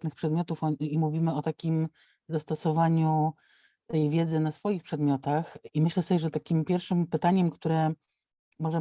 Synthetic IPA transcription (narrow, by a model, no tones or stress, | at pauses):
t̪nɘxpʂɛd̪mjɔt̪ufɔimuvʲimɘɔt̪akʲim | zast̪ɔsɔvaɲu | t̪ɛjvʲjɛd̪zɘnasfɔjixpʂɛd̪mʲjɔt̪aximɘɕlɛsɔbʲjɛʐɛt̪akʲimpʲjɛɾfʂɘmpɘt̪aɲɛmkt̪uɾɛ | mɔʐɛ